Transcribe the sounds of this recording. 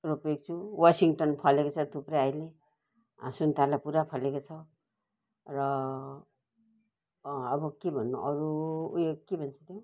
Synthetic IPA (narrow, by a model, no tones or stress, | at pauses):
ɾopek̚t͡sʰuwasiŋʈʌnpʰʌlekot͡sʰʌt̪ʰupreajle | sunt̪arlajpuɾapʰʌlekot͡sʰʌ | rʌ | bʌkebʱʌnːuʔʌɾujokebʱʌnt͡sʰʌt̪ʰjo